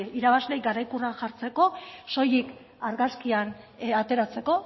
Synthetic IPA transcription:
iɾaβazle̞jɡaɾajkuraxaɾt͡se̞ko̞so̞jik | aɾɣaskianat̪e̞ɾat͡se̞ko̞

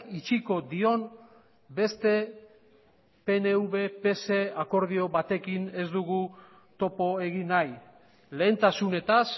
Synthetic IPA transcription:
kit͡ʃiko̞d̪io̞n | be̞st̪e̞ | pe̞neuβe̞pe̞se̞ako̞ɾð̞io̞βat̪e̞kine̞zd̪uɣ̞u | t̪o̞po̞e̞ɣinaj | le̞ːnt̪asune̞t̪as

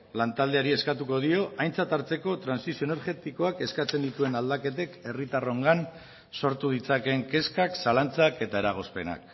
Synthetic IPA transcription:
lant̪ald̪e̞aɾie̞skat̪uko̞ð̞io̞ʔajnt͡sat̪aɾt͡se̞ko̞t̪ɾansisioene̞ɾɣe̞t̪iko̞ake̞skat͡se̞nd̪it̪ue̞nald̪ake̞t̪eke̞rit̪aro̞ŋɡan | so̞ɾt̪uð̞it͡sake̞ŋke̞skaksalant͡sake̞t̪ae̞ɾaɣ̞o̞spe̞̰na̰k

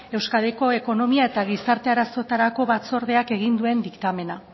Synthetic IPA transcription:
e̞wskað̞e̞ko̞e̞ko̞no̞miaet̪aɣ̞isaɾt̪e̞aɾaso̞t̪aɾako̞βat͡so̞ɾðe̞ake̞ɣ̞ind̪ue̞nd̪ikt̪ame̞na

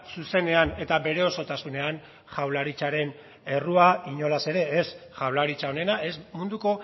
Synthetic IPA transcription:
suse̞ne̞ane̞t̪abe̞ɾe̞o̞so̞t̪asune̞an | ʝawlaɾit͡ʃaɾe̞n | e̞ruaiɲo̞lase̞ɾe̞ːsʝawlaɾit͡ʃao̞ne̞nae̞smund̪uko̞

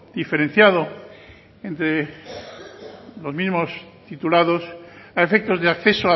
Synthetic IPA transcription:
d̪̥ife̞ɾe̞n̟θjaðo̞ | ent̪ɾe | lo̞zmizmo̞st̪it̪ulaðo̞saefe̞k̚t̪o̞zðeakθe̞soa

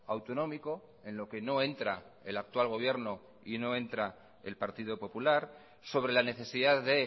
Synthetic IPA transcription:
awt̪o̞nõ̞miko̞ | e̞nlo̞ke̞no̞e̞nt̪ɾaelak̚t̪walɣ̞o̞β̞je̞ɾno̞ | ino̞ẽ̞nt̪ɾa | e̞̰lpaɾt̪ið̞o̞po̞pulaɾ | so̞βɾe̞lane̞θe̞siðaððe̞

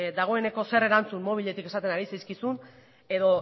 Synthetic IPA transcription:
d̪aɣ̞o̞e̞ne̞ko̞se̞re̞ɾant͡sumːo̞β̞iʎe̞t̪ike̞sat̪e̞naɾisajskisun | e̞ðo̞

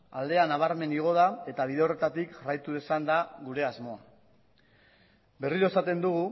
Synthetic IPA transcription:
a̰ld̪e̞anaβ̞aɾme̞niɣ̞o̞ð̞ae̞t̪aβ̞iðeo̞re̞t̪at̪ikʝarajt̪uðesand̪aɣuɾe̞azmo̞a | be̞riɾo̞esat̪e̞nd̪uɣ̞u

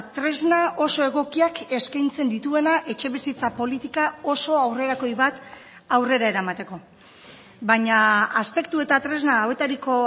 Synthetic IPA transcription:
t̪ɾe̞znaʔo̞so̞e̞ɣ̞o̞kiake̞skajnt͡se̞nd̪it̪ue̞naʔe̞t͡ʃe̞βisit͡sapo̞lit̪ikao̞so̞awre̞ɾako̞jβat̪ | awre̞ɾae̞ɾamat̪e̞ko̞ | baɲaːspe̞k̚t̪ue̞t̪at̪ɾe̞znaːwe̞t̪aɾiko̞

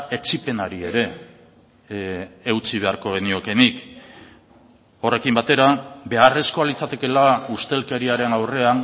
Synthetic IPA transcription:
e̞t͡ʃipe̞naɾie̞ɾe̞ | wt͡siβ̞e̞aɾko̞ɣ̞e̞nio̞ke̞nik | o̞re̞kimbat̪e̞ɾabe̞are̞sko̞alit͡sat̪e̞ke̞laust̪e̞lke̞ɾiaɾe̞nawre̞an

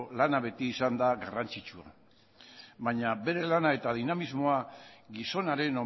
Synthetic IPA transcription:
lanaβ̞e̞t̪iːsand̪aɣarant͡sit͡ʃua | βaɲabe̞ɾe̞lanae̞t̪að̞inamizmo̞aɡiso̞naɾe̞no

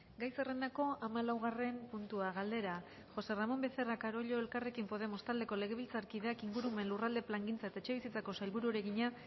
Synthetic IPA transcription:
ɡajse̞re̞nd̪ako̞amalawɣ̞are̞mpunt̪uaɣald̪e̞ɾa | ʝo̞se̞ramo̞mbe̞θerakaɾo̞ʎo̞e̞lkare̞kimpo̞ð̞e̞mo̞st̪ald̪e̞ko̞le̞ɣ̞e̞β̞ilt͡saɾkiðe̞akiŋɡuɾume̞nlurald̪e̞plaŋɡint͡saet̪aet͡ʃe̞βisit͡sako̞sajlβuɾuɾe̞ɣiɲa

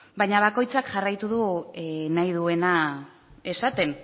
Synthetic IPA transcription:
baɲaβ̞ako̞jt͡sakʝarajt̪uð̞unajð̞ue̞na | e̞sat̪e̞n

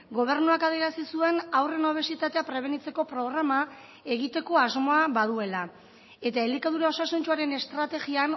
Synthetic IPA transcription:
ɡo̞β̞e̞ɾnuakað̞ieɾasisue̞nawre̞noβ̞e̞sit̪at̪e̞apɾe̞β̞e̞nit͡se̞ko̞pɾo̞ɣ̞ɾama | e̞ɣit̪e̞ko̞azmo̞aβað̞ue̞la | e̞t̪aelikaðuɾao̞sasunt͡ʃuaɾe̞ne̞st̪ɾat̪e̞ɣian

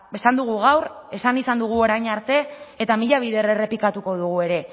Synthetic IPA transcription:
esand̪uɣ̞uɣ̞awɾe̞sanisand̪uɣ̞uo̞ɾajɲaɾt̪e̞et̪amiʎaβ̞iðe̞rere̞pikat̪uko̞ð̞uɣ̞ue̞ɾe̞

